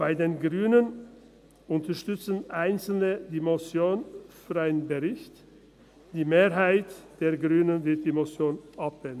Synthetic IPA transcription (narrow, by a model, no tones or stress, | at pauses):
b̥aɪdeːnɡʁyːnən | ʊntəʃtʏt͡sən̩ʔaɪnsl̩nədiːmosjoːnfyʁaɪnənbəʁɪçt | d̥iːmeːɾɦaɪtd̥eːɐɡʁyːnənvɪɐt̚d̥iːmosjoːnʔap̚vɛn